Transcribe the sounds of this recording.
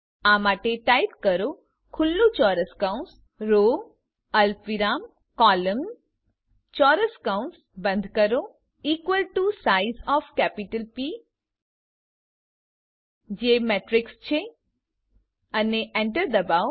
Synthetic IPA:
amaʈeʈajpkəɾo | kʰʊlːũt͡ʃɔːɾəskawɳs | ɾo | əlpʋiɾaːm | kɔləm | t͡ʃɔɾəskawnʈsbə̃nd̪ʱkəɾo | iːkʋəlʈusaizɔfkɛpiʈəlpi | d͡ʒemɛʈɾɪkst͡ʃʰe | əneʔɛɳʈəɾd̪əbao

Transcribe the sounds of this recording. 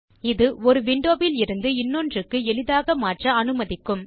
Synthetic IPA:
ɪðɯɔɾɯʋɪɳɖoːbɪlɪɾɯnd̪ɯɪnːɔndrɯkːɯɛlɪðaːɣɐmaːʈrɐɐnɯmɐðɪkːɯm

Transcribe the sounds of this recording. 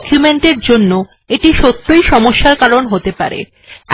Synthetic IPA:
kjumeɳʈeɾd͡ʑonːo | eʈiʃot̪ːojʃɔmoʃːaɾkaɾonɦot̪epa̰ɾḛ

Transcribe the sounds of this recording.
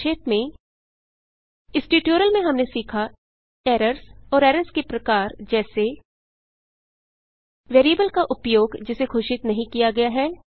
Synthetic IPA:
ʃeːʈmẽ | ɪsʈiːʈjoːɾəlmẽɦɐmnesiːkʰa | ɛːɾəɾsɔːɾɛːɾəɾskepɾɐkaːɾd͡ʒɛːse | ʋeːɾiəbəlkaʔʊpjoːɡd͡ʒɪsekʰoːʃɪt̪nɐɦĩkijaɡɐjaɦɛː

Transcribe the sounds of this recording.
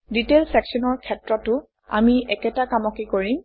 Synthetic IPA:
ditelsɛksɔnɔɹkʰɛtɹɔtʊ | a̰miɛkɛtakamɔkekoɹim

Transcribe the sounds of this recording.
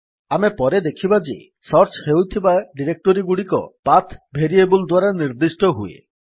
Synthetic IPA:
amepɔɾed̪ekʰibad͡ʒḛ | sɔɾt͡ʃhewt̪ʰibaɖiɾek̚ʈoɾiɡuɽikɔ̰pat̪ʰbʱeɾiebuld̪waɾaniɾd̪isʈɔɦuḛ

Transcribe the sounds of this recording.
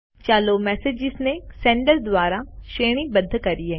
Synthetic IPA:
t͡ʃaːloːmɛːsed͡ʒɪznesɛ̃ːɳɖəld̪waːɾaʃeːɽ̃ibəd̪ʱːkɐɾiɦɛː

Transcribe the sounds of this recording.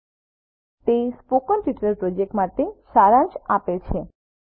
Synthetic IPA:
t̪espokənʈiʈɾeɾpɾod͡ʒek̚ʈmat̪eʃaɾant͡ʃapet͡ɕʰe

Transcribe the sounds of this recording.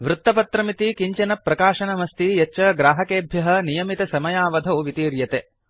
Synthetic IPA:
ʋɾut̪ːɐpɐt̪ɾɐmit̪ikiɲt͡ʃɐnɐpːɾɐkaːʃɐnɐmɐst̪ijɐt͡ʃːɐɡɾaːɦɐkeːbʱjɐɦɐ̆nijɐmit̪ɐsɐmɐjaːʋɐd̪ʱɐuʋit̪iːɾjɐt̪e

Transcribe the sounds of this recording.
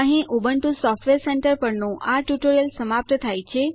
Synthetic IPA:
ə̃ɦĩʔubəɳʈusɔfʈʋeɾseɳʈəɾpəɾnõʔaʈjuʈoɾiəlsəmap̚t̪ət̪ʰajt͡ʃʰe

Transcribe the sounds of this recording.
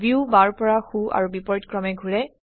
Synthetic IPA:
bjubaɹpɔɹaxua̰ɹubipɔɹtkɹɔmɛɡʱuɹɛ

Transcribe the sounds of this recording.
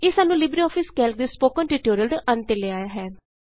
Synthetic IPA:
ɪsaːnːũːlɪbɾiɔːpʰɪskɛːlk̚d̪eːspoːkənʈɪʈoːɾiəlɖʔənt̪eleaːjaːɦɛː

